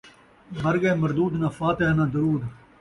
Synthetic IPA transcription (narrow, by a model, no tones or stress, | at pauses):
mɐɾɡeːmɐɾd̪uːd̪naːfaːt̪eɦanãːd̪ʊɾuːd̪